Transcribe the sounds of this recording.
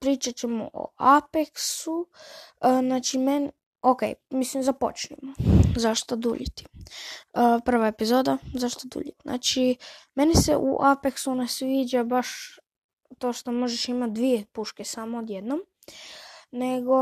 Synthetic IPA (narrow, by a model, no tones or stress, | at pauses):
pɾiːt͡ʃat͡ɕemo̰ʔo̰ʔapeksu | znaːt͡ʃimen | okḛjmislimzapo̞̰t͡ʃnimozaʃt̪od̪ṵʎit̪i̥ | əpr̩ʋaepizoːd̪azaʃt̪od̪ṵːʎit̪nʔa̰ːt͡ʃime̞nisḛʔṵʔapeksunasʋiːd͡ʒabaʃ | t̪o̞ːʃt̪omo̞ʒeʃimat̪̚d̪ʋijepuʃkesaːmood̪jed̪nom | ne̞ɡo̞